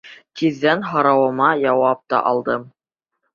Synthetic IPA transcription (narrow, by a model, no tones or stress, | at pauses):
t̪iðːænɦɑɾɑwɤ̆mɑjɑwɑp̚t̪ɑ̰ʔɑlˠd̪ɤm